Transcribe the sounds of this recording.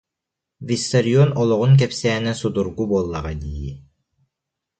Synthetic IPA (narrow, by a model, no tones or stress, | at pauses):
vʲist̪ɐɾʲiɔnɔlˠɔʁunk̬ɛpsæːnɛsud̪uɾɡubolˠːaʁɑd̪ijḭ